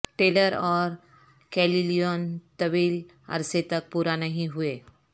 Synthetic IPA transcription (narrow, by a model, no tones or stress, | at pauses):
ʈeləɾɔːɾ | kɛlilijont̪əʋiːl | ə̰ɾset̪ək̚puɾanaɦĩɦue